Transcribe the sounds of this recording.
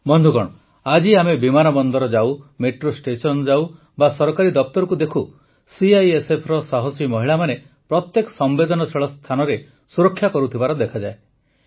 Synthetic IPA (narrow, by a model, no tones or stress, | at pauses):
bɔnd̪ʱukɔɽ̃ɔ | ad͡ʒiamebimanɔbɔnd̪ɔɾɔd͡ʒawmeʈɾosʈesɔnd͡ʒaw | basɔɾɔkaɾid̪ɔp̚t̪ɔɾɔkud̪ekʰu | siajesepʰɾɔsaɦɔsimɔɦiɭamane | pɾɔt̪jekɔ̥sɔmbed̪ɔnɔsʰeɭɔst̪ʰanɔɾe | suɾɔkʰːjakɔɾut̪ʰibaɾɔd̪ekʰad͡ʒae